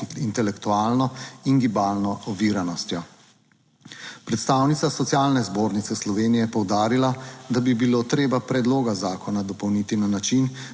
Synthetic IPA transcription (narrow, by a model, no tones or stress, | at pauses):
int̪ɛlɛkt̪uaːlnɔinɡibaːlnɔɔʋiːɾanɔst̪jɔ | pɾɛt̪st̪aːwnit̪sasɔt̪sjaːlnɛzboːɾnit̪sɛslɔʋeːnijɛɛpɔwd̪aːɾilad̪abibiloːt̪ɾeːbapɾɛd̪loːɡazaːkʰɔnad̪ɔpɔwnit̪inanat͡ʃin